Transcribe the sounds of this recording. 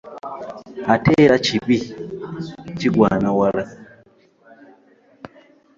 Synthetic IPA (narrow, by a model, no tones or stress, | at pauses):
atʰeɾat͡ʃibi | t͡ʃiɡwaːnawaɾa